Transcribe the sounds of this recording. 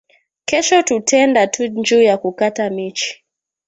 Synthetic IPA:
kɛʃɔtutɛndatʰuɲd͡ʒuːjakukatamit͡ʃi̥

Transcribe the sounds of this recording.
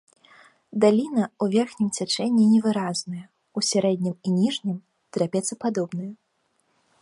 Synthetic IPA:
d̪alʲinɐuvʲɛrxnʲimt͡sʲat͡ʂɛnʲːinʲɛvɨɾaznɐjɐ | usʲaɾɛd̪ʲnʲiminʲiʐnʲim | t̪ɾʲapʲɛt̪sɐpad̪ɔbnɐjɐ

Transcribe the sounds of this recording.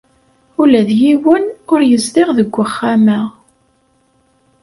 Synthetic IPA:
ʊlæðjiwənʊɾjəzðɪʁðəɡʷːəχːamæ

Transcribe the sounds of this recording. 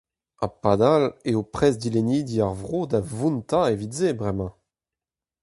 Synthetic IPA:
apad̪aleopχɛzd̪ilenid̪iaʁvʁod̪avũnt̪aevidzebʁɛmɑ̃

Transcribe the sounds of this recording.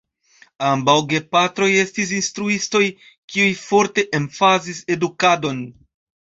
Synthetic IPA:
ambawɡe̞patɾo̞je̞stis̬instɾuisto̞j | kiujfo̞ɾte̞ʔenfazise̞dukado̞n

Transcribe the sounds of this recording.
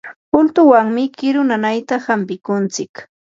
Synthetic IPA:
pʊlt̪ʊwaŋmɪkɪɾʊnanajt̪ahampɪkʊnt͡sɪk

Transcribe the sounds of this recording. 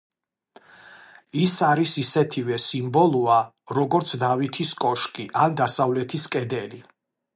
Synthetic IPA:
isaɾisisɛt̪ʰivɛsimbɔlˠua | ɾɔɡɔɾt̪sʰd̪avit̪ʰiskʼɔʃkʼiʔand̪asavlɛt̪ʰiskʼɛd̪ɛli

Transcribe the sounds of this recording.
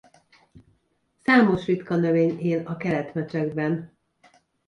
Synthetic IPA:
saːmo̞ʃrit̪kɒnøveːɲeːlɒkɛlɛt̪mɛt͡ʃɛɡbɛn

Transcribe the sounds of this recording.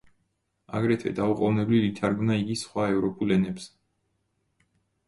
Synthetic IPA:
a̰ɡɾɛt̪ʰvɛ̰d̪auqʼɔvnɛblilit̪ʰaɾɡmnaiɡisχwaɛvɾɔpʰʼulɛnɛps

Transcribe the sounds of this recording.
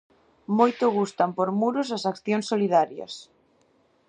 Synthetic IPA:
mojt̪ʊɣ̞ust̪ɐmpoɾmuɾʊsɐsakθjoŋsːoliðaɾjɐ̰s

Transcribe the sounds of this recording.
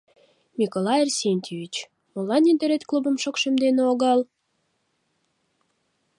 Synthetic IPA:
mʲikolɑersʲenʲt̪ʲivʲit͡ɕ | mŏlːɑnind̪əɾet̪ʲklubə̆mʃokʃemd̪eneoɣɑl

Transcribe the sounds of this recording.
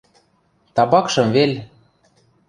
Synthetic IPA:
t̪ɑbɑkʃɤ̆mvelʲ

